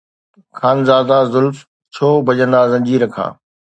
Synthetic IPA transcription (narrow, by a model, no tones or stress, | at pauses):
kʰaːnzaːd̪azʊlf | t͡ɕʰoːbʱɐʄə̃nd̪aːzɐ̃ɲd͡ʑiːɾəkʰa̰ː